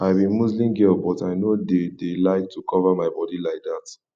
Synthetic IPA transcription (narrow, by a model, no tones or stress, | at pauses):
aɪbĩnmuzlĩmɡɛlbɔtaɪnodedelaɪk̚tʰukʰɔvamaɪbɔdilaɪk̚dat